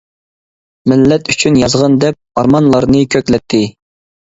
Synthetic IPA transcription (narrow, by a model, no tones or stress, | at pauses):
mɪlːɛt̪yt͡ʃʰynjɑzʁɑnd̪ɛp̚ɑɾmɑnlˠɑɾnɨkʲʰøkʲlɛt̪ʰːɪ